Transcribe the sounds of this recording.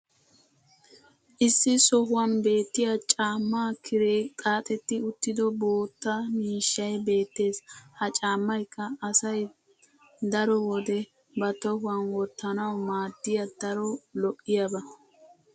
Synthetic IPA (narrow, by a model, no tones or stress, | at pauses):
ʔɪsːɪsɔɦʊwɐnbe̞ːt̪ːɪjɐt͡ʃʼaːmːaːkʰɪɾeːkʼaːt̪ʼɛt̪ːɪʊt̪ːɪd̪ɔbo̞ːt̪ːɐmiːʃːɐjbe̞ːt̪ːe̞ːshɐt͡ʃʼaːmːɐjkːɐːsɐj | d̪ɐɾɔwɔd̪ɛ | bɐt̪ɔhʊwɐnwɔt̪ːɐnɐwmaːd̪ːɪjɐd̪ɐɾɔlɔʔːɪjɐbɐ